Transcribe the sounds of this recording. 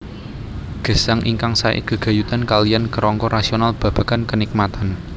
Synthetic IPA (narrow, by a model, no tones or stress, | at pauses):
ɡ̥ə̤saŋʔiŋkaŋsaḛkəɡ̥a̤jut̪ankaliankəɾɔŋkɔɾasionalb̥ä̤b̥ä̤kankənik̚mat̪an